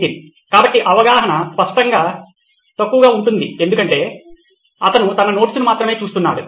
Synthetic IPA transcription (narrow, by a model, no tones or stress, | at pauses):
ini | kaːbɐʈːiʔɐʋɐɡaːɦɐɳɐspɐʂʈɐŋɡaː | t̪ɐkːuʋɐɡaːuɳʈund̪ie̞nd̪ukɐɳʈe̞ː | ɐt̪ɐnut̪ɐnɐno̞ːʈisunumaːt̪ɾɐme̞ːt͡ʃuːst̪unːaːɽṵ